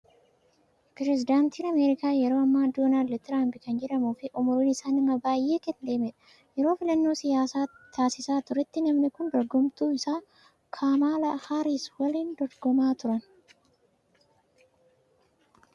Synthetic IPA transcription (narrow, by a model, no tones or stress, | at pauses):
pɾɛzɪd̪aːnt̪iːnɐmeːɾɪkaːjɛɾo̞ːɐmːaːd̪oːnaːld̪t̪ɪɾaːmpɪkɐnd͡ʒɛᶑɐmuːfɪʔʊmʊɾiːnɪsaːnɪmːɐbaːjʔe̞ːkɛnd̪e̞ːmɛᶑɐ̥ | jɛɾo̞ːfɪlɐnːo̞ːsɪjaːsaːt̪ʰaːsɪsaːt̪ʊɾɛt̪ːɪnɐmnɪkʊnd̪ɔɾɡɔmt̪uːɪsaː | kʰaːmaːlɐhaɾiswɐliːnd̪ɔɾɡɔmaːt̪ʊɾɐn